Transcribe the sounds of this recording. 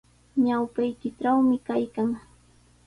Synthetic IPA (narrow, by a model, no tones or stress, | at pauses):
ɲawpajkɪʈ͡ʂawmɪkajkaŋ